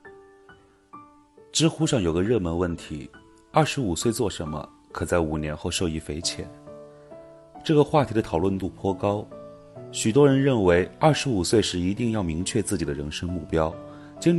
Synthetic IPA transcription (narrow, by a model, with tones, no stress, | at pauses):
ʈ͡ʂɻ̩˥xu˥ʂɑ˥˩ŋjo˨˩ʊɡə˧˦ɻɤ˥˩mə˧˥nwə˥˩nt̪ʰi˧˥ | ɐ˞˥˩ʂɻ̩˧˥u˨˩swe˥˧ɪt͡swɔ˥˩ʂə˧˥nmə̰˧ | kʰɤ˨˩t͡sa˥˩ɪu˨˩njɛ˧˥nxo˥˧ʊʂo˥˧ʊi˧˥˩fe˧˥ɪt͡ɕʰjɛ̰˨˩˦n | ʈ͡ʂɤ˥˩ɡə˩xwa˥˩t̪ʰi˧˥d̪ə˧t̪ʰɑ˨˩ʊlwə˥˧nt̪u˥˩pʰwɔ˥kɑ˥ʊ | ɕy˨˩t̪wɔ˥ɻə˧˥nɻə˥˩nwe˧˥ɪɐ˞˥˩ʂɻ̩˧˥u˨˩swe˥˧ɪʂɻ̩˥˩i˧˥t̪i˥˧ŋjɑ˥˩ʊmi˧˥ŋt͡ɕʰɥɛ˥˧t͡sɹ̩˥˩t͡ɕi˨˩d̪ə˦ɻə˧˥nʂɤ˥ŋmu˥˩pjɑ˥ʊ | t͡ɕi˥n